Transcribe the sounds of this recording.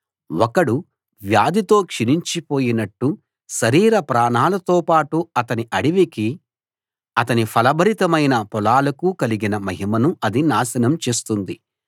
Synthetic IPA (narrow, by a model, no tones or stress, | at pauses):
wɔkɐɽu | ʋjaːd̪ʱit̪o̞ːkʂiniɲt͡ʃipo̞ːjinɐʈːu | ʃɐɾiːɾɐpɾaːnaːlɐt̪oːpaːʈuɐt̪ɐniʔɐɽiʋiki | ɐt̪ɐnipʰɐlɐbʱɐɾit̪ɐmɐjnɐpɔlaːlɐkukɐliɡinɐmɐɦimɐnuʔɐd̪inaːsɐnɐmt͡ʃe̞ːst̪und̪i